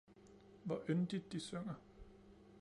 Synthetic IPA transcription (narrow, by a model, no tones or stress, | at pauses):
ʋɒʔønd̥id̥ːisøŋ̰ɐ